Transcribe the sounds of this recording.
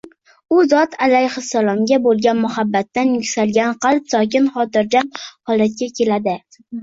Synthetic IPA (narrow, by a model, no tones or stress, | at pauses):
ʊzɒt̪ʰalajhɪsːalˠɒmɡʲabolˠɡʲanmʊhabːat̪ːanjʊkʲsalɡʲanqʰɑlˠpsɒkʲɪnχɒt̪ɪɾd͡ʒamhɒlˠat̪̚kʲakʲʰe̞lad̪ɪ